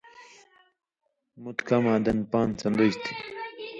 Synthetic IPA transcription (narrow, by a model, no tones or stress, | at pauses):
mut̪kɐmaːd̪ɐnpaːnt͡sɐnd̪oɕt̪ʰi̥